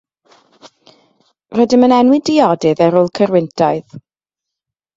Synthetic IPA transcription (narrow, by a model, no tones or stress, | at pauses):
rɔdɪmənɛnwɪdɪjɔdɨðɛɾʊlˠkʰəɾwɪntʰaɨð